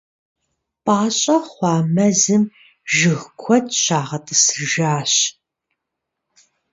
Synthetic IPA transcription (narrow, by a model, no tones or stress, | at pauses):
pʼaːɕʼɐχʷɑːmɐzɨm | ʒɨɣkʷʰɔtʰʼɕaːʁɐtʼɨsɨrʒaːɕ